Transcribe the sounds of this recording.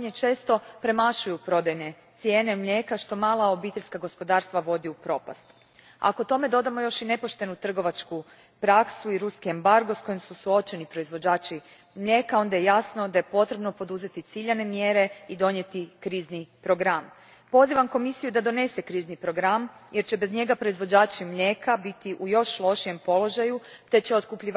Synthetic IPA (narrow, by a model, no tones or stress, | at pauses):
ɲet͡ʃe̞ːst̪o̞pɾe̞maʃujupɾo̞d̪ajne̞t̪sje̞ːnemʎe̞ːkaʃt̪o̞maːlˠao̞biːt̪e̞ʎʲskaɡo̞spo̞d̪aːɾst̪ʋaʋo̞d̪iupɾo̞ːpa̰st̪ | a̰kot̪o̞me̞d̪o̞d̪amo̞jo̞ʃine̞poʃt̪e̞nut̪r̩ɡo̞ʋat͡ʃku | pɾaksuiɾuskiembaɾɡo̞sko̞jimsusuo̞t͡ʃe̞nipɾo̞izʋo̞d͡ʑaːt͡ʃi | mʎe̞kao̞nd̪ajejasno̞d̪aje̞po̞t̪ɾebno̞po̞d̪uze̞t̪it̪siʎane̞mje̞ɾe̞id̪o̞ɲet̪ikɾiːznipɾo̞ɡɾam | po̞ziʋamko̞misijud̪ad̪o̞ne̞se̞kɾiːznipɾo̞ɡɾamjʔe̞ɾt͡ɕe̞bezɲe̞ɡapɾo̞izʋo̞d͡ʑaːt͡ʃimʎekabit̪iʔujo̞ʃlˠo̞ʃije̞mpo̞lo̞ʒajut̪e̞t͡ɕe̞o̞t̪kupʎi